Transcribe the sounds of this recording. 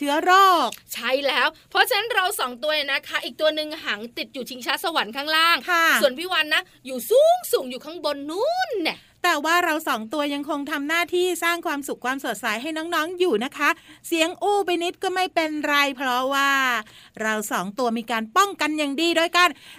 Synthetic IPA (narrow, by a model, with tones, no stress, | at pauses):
t͡ɕʰɯ˦˥ɐɾɔː˥˩k̚t͡ɕʰa˥˩jlɛː˦˥wpʰɾɔ˦˥t͡ɕʰa˧na˦˥nɾa˧wsɔː˩˦ŋt̪u˧ɐja˨˩na˦˥kʰa˦˥ʔiː˨˩k̚t̪u˧ɐnɯ˨˧ŋɦa˩˦ŋt̪i˨˩t̪̚juː˨˩t͡ɕʰi˧˦ŋt͡ɕʰaː˦˥sa˧wa˩˦nkʰaː˥˩ŋɾaː˥˩ŋkʰa˥˩su˨˩ənpʰiː˦˥˩wa˧nːa˦˥ | juː˨˩suː˥˩ŋsuː˨˩˦ŋjuː˨˩kʰa˥˩ŋbo˧nːuː˦˥˦nːɛ˧˩ | t̪ɛː˨˩waː˥˩ɾa˧wsɔː˩˦ŋt̪u˧ɐja˧ŋkʰo˧ŋt̪ʰa˧mnaː˥˩t̪ʰiː˥˩saː˥˩ŋkʰwaː˧msu˨˩kʰwaː˧msu˨˩t̪̚sa˩˦jɦa˥˩jnɔː˦˥ŋnɔː˦˥ŋjuː˨˩na˦˥kʰa˦˥si˩˦əŋʔuː˥˩pa˧jni˦˥t̪̚kɔː˥˩ma˥˩jpe˧nɾa˧jpʰɾɔ˦˥waː˥˩ | ɾa˧wsɔː˩˦ŋt̪u˧ɐmiː˧kaː˧npɔ˥˩ŋka˧njaː˨˩ŋdiː˧du˥˩əjka˧n